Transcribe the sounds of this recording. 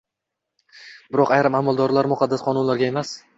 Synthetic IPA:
bɪɾɒqɑajɾamamalˠd̪ɒɾlaɾmʊqʰɑd̪ːasqʰɒnʊnlaɾɡʲae̞mas

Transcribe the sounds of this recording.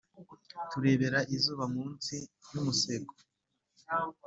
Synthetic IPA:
tuɾe̞ːβe̞ɾaʔizuːβamuːnsinumuse̞ɡo

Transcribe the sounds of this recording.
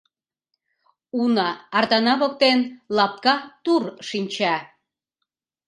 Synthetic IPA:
unɑːrd̪ɑnɑβok̚t̪enlɑp̚kɑt̪urʃinʲt͡ɕɑ

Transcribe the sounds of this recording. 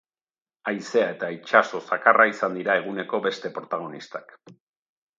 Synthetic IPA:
ajse̞ae̞t̪ait͡ʃaso̞sakaraisand̪iɾae̞ɣ̞une̞ko̞be̞st̪e̞pɾo̞t̪aɣ̞o̞nist̪ak

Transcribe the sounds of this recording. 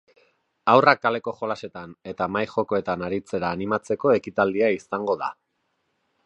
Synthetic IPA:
awrakale̞ko̞χo̞lase̞t̪ane̞t̪amajxo̞ko̞e̞t̪anaɾit͡se̞ɾaːnimat͡se̞ko̞e̞kit̪ald̪iaisaŋɡo̞ða̰

